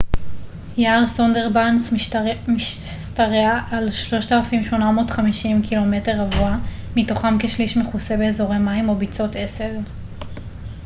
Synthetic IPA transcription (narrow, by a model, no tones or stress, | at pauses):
jaːʁsondeʁbansmiʃstaʁeaʔalʃlo̞ʃtalafimʃmo̞namo̞ːtχamiʃimkʰilo̞meteʁavua | mito̞χamkeʃliʃmeχuse̞beːzo̞ʁemaimo̞bit͡so̞tesev